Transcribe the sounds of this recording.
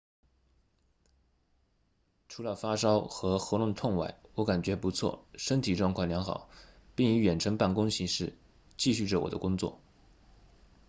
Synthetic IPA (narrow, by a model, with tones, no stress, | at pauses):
ʈ͡ʂʰu˧˥lə˧fa˥ʂɑ˥ʊxɤ˧˥xɤ˧˥lwʊ˥˧ŋt̪ʰʊ˥˧ŋwa˥˩ɪwɔ˧˥ka˨˩nt͡ɕɥɛ˧˥pu˧˥t͡sʰwɔ̰˥˩ʂə˥ŋt̪ʰi˨˩ʈ͡ʂwɑ˥˧ŋkʰwɑ˥˩ŋljɑ˧˥ŋxɑ̰˨˩˦ʊpi˥˩ŋi˧˥ɥɛ˨˩nʈ͡ʂʰɤ˧˥ŋpa˥˩nkʊ˥ŋɕi˧˥ʂɻ̩˥˩˧ | t͡ɕi˥˧ɕy˥˩ʈ͡ʂə˩wɔ˨˩d̪ə˦kʊ˥ŋt͡swɔ̰˥˩